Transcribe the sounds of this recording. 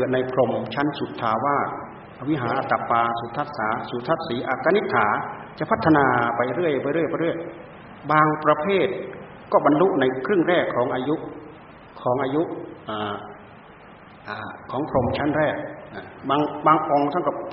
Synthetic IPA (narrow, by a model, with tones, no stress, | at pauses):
ɯ˨˩ət̪na˧jpʰɾo˧mt͡ɕʰa˦˥˨nsu˨˧˦t̪ʰːaː˧˩waː˥˩ | ʔa˧wi˦˥ɦaː˩˦nʔa˧˩t̪a˧˩paː˧su˨˦t̪ʰːa˧˥˩t̪̚saː˨˦su˨˦t̪ʰːa˧˥˩t̪̚siː˨˦ʔaː˧˩kːaː˧˥ni˦˥t̪ʰːaː˩˦t͡ɕa˨ʔpʰa˦˥t̪ʰːa˧naː˧pa˧jɾɯ˥˩əjbaː˧˦ɾɯ˥˩əjpa˧˦ɾɯ˥˩əj | baː˧ŋpɾa˧pʰeː˥˩t̪̚ | kɔː˧˥˩ba˧nlu˦˥ʔna˧jkʰɾɯ˥˩˨ŋɾɛː˥˩kʰːɔː˩˦ŋʔaː˧ju˦˥ʔ | kʰɔː˩˦ŋʔaː˧ju˦˥ʔʔaː˨˩ | ʔaː˨˧˩kʰɔː˩˦ŋpʰɾo˧mt͡ɕʰa˦˥nɾɛː˥˩k̚a˧˨˩baː˧ŋbaː˧ŋʔo˧ŋt̪ʰa˥˩˨ka˧˩p̚